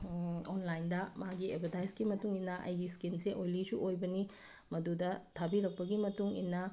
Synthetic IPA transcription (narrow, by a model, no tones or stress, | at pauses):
onlajndɐmaɡiebʰʱedajsɡimɐtuŋinːɐʔɐ̰jɡiskinseʔojlisuʔojbɐni | mɐdudɐtʰabiɾɐk̚pɐɡimɐtuŋḭnːɐ